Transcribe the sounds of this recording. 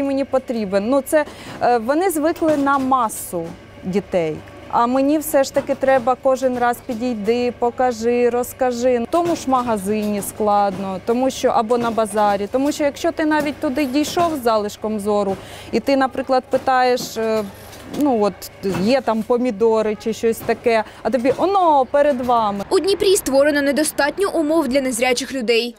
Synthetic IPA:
imenʲipɔt̪ɾʲibennut̪sɛʋɔnɪzʋɪklˠɪnɐmɑsʊ | dʲit̪ɛj | ɐmenʲiwsɛʃt̪ɐkɪt̪ɾɛbɐkɔʒɪnrɑspʲidʲijd̪ɪpɔkɐʒɪɾɔskɐʒɪt̪ɔmuʃmɐɦɐzɪnʲisklˠɑd̪nɔt̪ɔmuʃt͡ʃɔʔɐbɔnɐbɐzɑɾʲit̪ɔmuʃt͡ʃɔjɐkʃt͡ʃɔt̪ɪnɑʋʲit̚ʲt̪ʊd̪ɪdʲijʃɔwzɑlˠɪʃkɔmzɔɾʊit̪ɪnɐpɾɪklˠɐd̪̚pɪt̪ɑjeʃ | nuɔt̪jɛt̪ɑmpɔmʲid̪ɔɾɪt͡ʃɪʃt͡ʃɔsʲt̪ɐkɛ | ɐt̪ɔbʲiʔɔnɔpɛɾed̪ʋɑmɪʊdʲnʲipɾʲist̪ʋɔɾenɐnɛd̪ɔst̪ɑtʲnʲɔʔʊmɔwd̪ʲlʲɐnezɾʲat͡ʃɪxlʲʊd̪ɛj

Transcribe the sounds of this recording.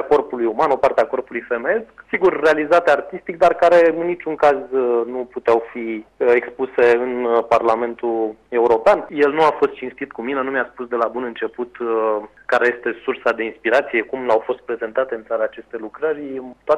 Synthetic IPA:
ako̞rpulujumano̞part̪eako̞rpulujfe̞meesksiɡurːealizat̪eart̪ist̪ik̚d̪arkaɾe̞ɨnːit͡ʃuŋkaznuput̪eawfiekspuse̞ɨnparlame̞nt̪ue̞uɾo̞peanje̞lnuafo̞st̪̚t͡ʃinst̪it̪kumine̞numeaspusd̪e̞labunɨnt͡ʃe̞put̪ | kaɾe̞je̞st̪e̞sursad̪e̞inspiɾat̪sije̞kumlawfo̞st̪pɾe̞ze̞nt̪at̪e̞ɨnsaɾaːt͡ʃe̞st̪elukɾəɾʲt̪oa

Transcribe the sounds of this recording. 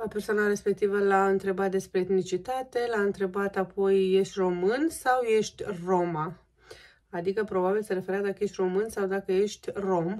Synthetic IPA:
apersoanaɾe̞spek̚t̪ivəlaɨnt̪ɾe̞bat̪̚d̪e̞spɾe̞ːt̪nit͡ʃit̪at̪e̞laɨnt̪ɾe̞bat̪apʰo̞jːe̞ʃt̪ʲro̞mɨnsawje̞ʃt̪ʲro̞ma | ad̪ikəpɾo̞babilsəɾefeɾat̪d̪akəje̞ʃt̪ʲro̞mɨnsawd̪akəjeʃt̪ʲro̞m

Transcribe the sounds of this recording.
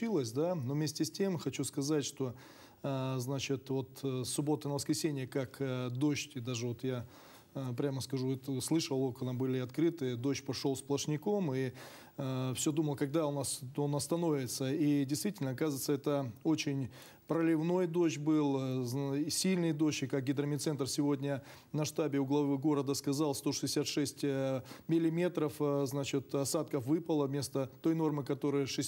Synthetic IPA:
ilˠəsʲd̪anovmʲesʲtʲɪsʲtʲe̞mxɐt͡ɕuskɐzatʲʂt̪o̞ | znat͡ɕɪt̪vo̞t̪sːʊbo̞t̪ənəvəskɾʲɪsʲenʲɪjəkakd̪o̞ɕtʲɪd̪aʐɨvo̞t̪ja | pɾʲaməskɐʐut̪slˠɨʂəlˠokənabɨlʲɪɐt̪kɾɨt̪ɨd̪oɕpɐʂolˠsplˠəʂnʲɪkomi | fsʲod̪uməlˠəkɐɡ̚d̪aʊnasonɐst̪ɐno̞vʲɪt̪səidʲɪjst̪vʲitʲɪlʲnəɐkazɨɪt̪səɛt̪əo̞t͡ɕɪnʲ | pɾəlʲɪvno̞jd̪o̞ɕbɨlˠzsʲilʲnɨjd̪o̞ɕɪkak̚ɡʲɪd̪ɾəmʲɪt̪sɛnt̪rsʲɪvo̞dʲnʲə | nɐʂt̪abʲɪʊɡlˠɐvɨɡo̞ɾəd̪əskɐzalˠst̪o̞ʂɨzdʲɪsʲat̪ʂɛsʲtʲmʲɪlʲɪmʲe̞t̪ɾəfznat͡ɕɪt̪ɐsat̪̚kəfvɨpəlˠəvmʲe̞st̪ət̪o̞jno̞rmɨkɐt̪o̞ɾəjəʂɨ

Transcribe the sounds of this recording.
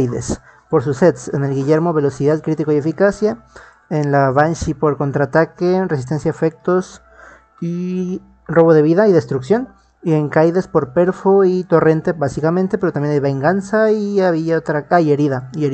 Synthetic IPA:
jðḛs | po̞ɾsuset̪sene̞lɣiʝe̞ɾmo̞βe̞lo̞siðaðkɾit̪ikojefikasja | enlaβanʃipo̞ɾko̞nt̪ɾat̪akere̞s̬is̬t̪e̞nsjaefe̞k̚t̪o̞s | i | ro̞βo̞ðe̞βiðaiðe̞st̪ɾuksjo̞n | ie̞ŋkajðe̞spo̞ɾpe̞ɾfoit̪o̞re̞nt̪e̞basikament̪e̞peɾot̪ambjenajβe̞ŋɡansaiaβiaot̪ɾaaje̞ɾiðaieɾi

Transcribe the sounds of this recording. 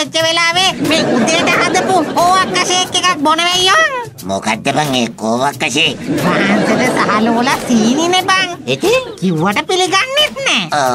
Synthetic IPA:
et͡ʃːəʋelaːʋemeːud̪eʈəʔad̪əpukoːʋakːɐʃeːkːekak̚bonəʋejːoŋ | mo̰ka̰d̪ːebaŋeːkoːʋakːaseːkmaːnt̪ədəsaɦaloːlasiːninebaŋek̪ekiwʋaʈəpiliɡanːit̪neo

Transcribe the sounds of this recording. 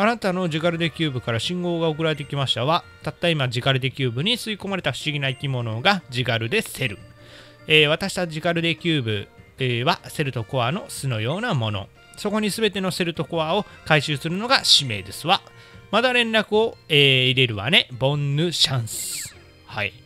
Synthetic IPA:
anat̪ano̞d͡ʑiɡaɾɯ̟d̪e̞kʲɨːbɯ̟kaɾaɕĩŋɡo̞ːɡaok̬ɯ̟ɾaɾe̞t̪̬ekʲimaɕi̥t̪aβat̪at̪ːaimad͡ʑiɡaɾɯ̟d̪e̞kʲɨːbɯ̟ɲ̟it͡sɨiko̞maɾe̞t̪aɸɯ̟̥ɕiɡʲinaikʲimo̞no̞ɡad͡ʑiɡaɾɯ̟d̪e̞se̞ɾɯ̟ | eːβ̞at̪aɕi̥t̪aʑiɡaɾɯ̟d̪e̞kʲɨːbɯ̟̰βase̞ɾɯ̟t̪o̞ko̞ano̞sɨnojo̞ːnamo̞no̞̰ | so̞ko̞ɲ̟isɨbe̞t̪e̞no̞se̞ɾɯ̟t̪o̞ko̞ao̞kaiɕɨːsɨɾɯ̟no̞ɡaɕime̞ːd̪e̞sɨβa | mad̪aɾẽ̞nɾakɯ̟o̞eːiɾe̞ɾɯ̟βa̰ne̞bõ̞nːɯ̟ɕãɰ̃sɨ̥ | haḭ

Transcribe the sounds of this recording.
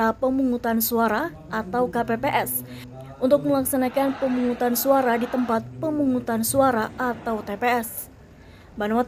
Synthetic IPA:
apəmuŋut̪ansuaɾa | ʔat̪awkapepeʔɛs | unt̪ʊk̚məlaksanakanpəmuŋut̪ansuaɾadit̪əmpat̪̚pəmuŋut̪ansuaɾaʔat̪awt̪epeɛs | banwa

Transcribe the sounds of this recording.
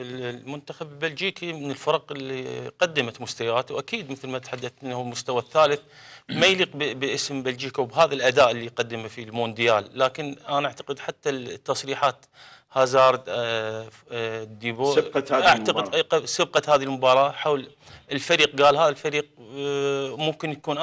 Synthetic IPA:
ɪlmʊnt̪axabɪlbald͡ʒiːkimɪnɪlfɑɾˤɑqɪlːḭqad̪ːamat̪mʊst̪awaːt̪wʔakiːd̪mɪθlmat̪ħad̪ːaθʔɪnːahʊlmʊst̪awaθːaːlɪθmajliːqbbʔɪsmbald͡ʒiːkawbɦaːðalʔad̪aːʔəlːiqɑd̪ːɪmafilmoːnd̪ɪjaːlːaːkɪnʔanaʔaʕt̪ḁqɪd̪ħat̪ːat̪ːɑsˤɾiːħaːt̪ | hazɑːɾˤ | d̪ːiːboːʔaʕt̪aqɪsɪb̚qɑhaːðilmʊbɑːɾˤɑːħawl | ɪlfaɾiːq̚ɡaːlɦaːðalfaɾiːq̚ | mʊmkɪnjakuːnʔ

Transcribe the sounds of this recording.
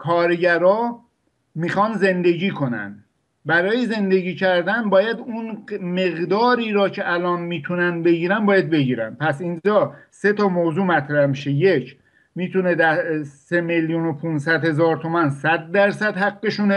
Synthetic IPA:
kʰɒːɾɟæɾɒː | miːxɒːnze̞nd̪e̞ɟiːkʰo̞næ̰nd̪ | bæɾɒːjeze̞nd̪e̞ɟiːcʰæɾd̪ænbɒːjæd̪unmeɣd̪ɒːɾiːɾɒːcʰeʔælɒːnmiːt̪ʰunænbe̞ɟiːɾænbɒːjæd̪̚be̞ɟiːɾænd̪̚pʰæsind͡ʒɒːse̞t̪ʰɒːmoːzuːmæt̪ʰɾæhmiʃe̞jecʰ | miːt̪ʰuned̪æsemeljunopʰunsæd̪he̞zɒːɾt̪ʰomænsæd̪̚ːæɾsæd̪hæɡːeʃun

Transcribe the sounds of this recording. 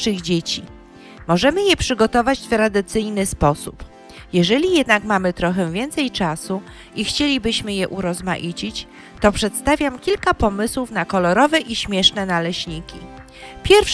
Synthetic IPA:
ʂɘɣd͡ʑet͡ɕi | mɔʐɛmɘjɛpʂɘɡɔt̪ɔvat͡ɕft̪ɾad̪ɘt̪sɘjnɘspɔsup | jɛʐɛlʲijɛd̪nakmamɘt̪ɾɔxɛvʲjɛnt̪sɛjt͡ʂasu | ixt͡ɕelʲibɘɕmɘjɛʔuɾɔzma̰ʔit͡ɕit͡ɕ | t̪ɔpʂɛt̪st̪avʲjamkʲilkapɔmɘswufnakɔlɔɾɔvɛʔiɕmʲjɛʂnɛnalɛɕɲikʲi | pʲjɛɾfʂ

